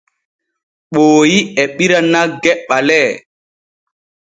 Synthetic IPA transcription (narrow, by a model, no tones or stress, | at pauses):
ɓoːjiɛɓiɾanːaɡɛɓːalɛː